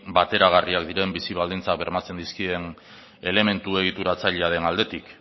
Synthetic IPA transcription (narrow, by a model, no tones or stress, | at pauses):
bat̪e̞ɾaɣ̞ariakd̪iɾe̞mbisiβ̞ald̪int͡sak̚be̞ɾmat͡se̞nd̪iskie̞n | e̞le̞me̞nt̪ue̞ɣ̞it̪uɾat͡saʎeaðe̞nald̪e̞t̪ik